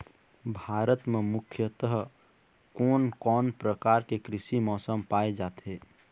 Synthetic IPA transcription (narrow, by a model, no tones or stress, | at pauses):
bʱaːɾət̪memʊkʰjət̪əɦ | kɔːnkɔːnpɾəkaːɾkekɾɪʃimɔːsəmpaːed͡ʒaːt̪ɦeː